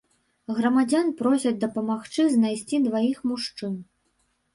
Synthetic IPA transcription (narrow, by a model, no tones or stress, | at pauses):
ɣɾɐmad͡zʲanpɾɔsʲɐd͡zʲd̪ɐpɐmaxt͡ʂɨznajsʲt͡sʲid̪vajixmuʂt͡ʂɨn